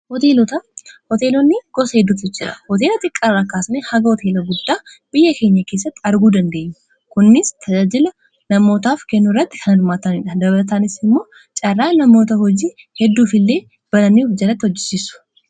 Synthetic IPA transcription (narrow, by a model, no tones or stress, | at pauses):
hɔt̪eːlɔt̪ɐhɔt̪e̞ːlɔnːɪɡ̥ɔsɐhɛd̪ːuːt̪ɪd͡ʒɪɾɐ̰hɔt̪e̞ːlɐt̪ʼɪkʼːɐrːaːkaːsneːhɐɡɐhɔt̪ʰe̞ːlɐɡʊd̪ːaː | b̥ɪjːɐke̞ːɲːɐke̞ːs̬ːɐt̪ːɪɐɾɡuːd̪ɐnd̪e̞ːʔːʊ | kʊnːɪst̪ʰɐd͡ʒaːd͡ʒɪlɐ | nɐmːo̞ːt̪aːfkɛnːʊrːɐt̪ːɪ̥kʰɐnɐɾmaːt̪ɐnɪᶑɐd̪ɐbɐlɐt̪aːnɪsɪmːo̞ː | t͡ʃʼɐrːaːnɐmoːt̪ɐhɔd͡ʒiː | hɛd̪ːuːfɪlːe̞ː | b̥ɐlɐniufd͡ʒɐlɐt̪ːɪhɔd͡ʒːɪ̥siːsʊ̥